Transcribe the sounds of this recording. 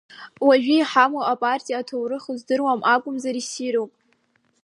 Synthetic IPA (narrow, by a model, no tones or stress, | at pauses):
waʒᶣijħamoapʼartʼijatʰowrɨχuzdɨrwamʔakʷʼʊmzaɾisiɾowpʼ